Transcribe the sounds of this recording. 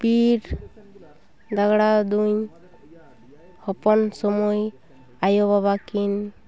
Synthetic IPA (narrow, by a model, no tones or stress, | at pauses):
piɾ | d̪aɡɽad̪uɲ | hɔpɔnsɔmɔj | ajɔβaβakin